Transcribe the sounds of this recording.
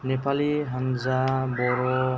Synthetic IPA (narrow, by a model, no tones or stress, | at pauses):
nepaliɦʌnd͡zabɔɾo